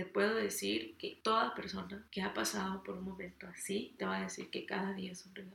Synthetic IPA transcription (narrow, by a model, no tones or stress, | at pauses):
t̪e̞pwe̞ðo̞ðesiɾke̞t̪o̞ðape̞ɾso̞nake̞apasaðopo̞ɾunmõ̞mẽ̞nt̪o̞asit̪e̞βaðe̞sḭɾke̞kaðaðiaesonreɣa